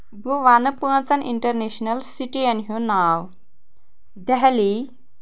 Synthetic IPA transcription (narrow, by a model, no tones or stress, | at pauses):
buʋanɐpuɐ̃nt͡sɐnʔḭɳʈɐɾneɕnɐlsiʈiɐnɦũnaːw | d̪ɛɦli